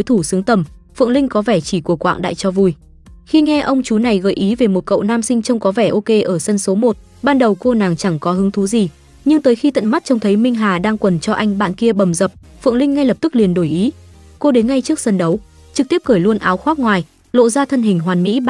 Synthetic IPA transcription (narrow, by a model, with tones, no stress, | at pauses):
jt̪ʰu˧˩sɨ˨˦əŋt̪ə˨˩m | fɨ̰˧˨əŋlï˧ŋ̟kɔ˨˦vɛ˧˩t͡ɕi˧˩ku˧˩əkwa̰ː˧˨ŋɗa̰ː˧˨jt͡ɕɔ˧vu˨˩j | xi˧ŋɛ˧ʔə˧wŋ͡mt͡ɕu˨˦na˨˩jɣə̰ː˧˩jʔi˨˦ve˨˩mo˨˩t̚kə̰˧˨wnaː˧msï˧ŋ̟t͡ɕə˧wŋ͡mkɔ˨˦vɛ˧˩ʔo˧ke˧ʔəː˧˩sə˧nso˨˦mo˨˩t̚ | ɓaː˧nɗə˨˩wko˧naː˨˩ŋt͡ɕa˧˩ŋkɔ˨˦ɦɨ˨˦əŋt̪ʰu˨˦zi˨˩ | ɲɨ˧ŋt̪əː˨˦jxi˧t̪ə̰˧˨nma˦˥t̚t͡ɕə˧wŋ͡mt̪ʰə˨˦jmï˧ŋ̟ɦaː˨˩ɗaː˧ŋkwə˨˩nt͡ɕɔ˧ʔa˧jŋ̟ɓa̰ː˧˨nki˧əɓə˨˩mzə˨˩p̚fɨ̰˧˨əŋlï˧ŋ̟ːa˧jlə˨˩p̚t̪ɨ˦˥k̚li˨˩ənɗo˧˩jʔi˨˦ | ko˧ɗe˨˦nŋa˧jt͡ɕɨ˦˥ək̚sə˧nɗə˨˦w | t͡ɕɨ˨˩k̚t̪i˦˥p̚kəː˧˩jlu˧ənʔaː˨˦wxwaː˦˥k̚ŋwaː˨˩j | lo̰˧˨zaː˧t̪ʰə˧nɦï˨˩ŋ̟ɦwaː˨˩nmḭ˧˥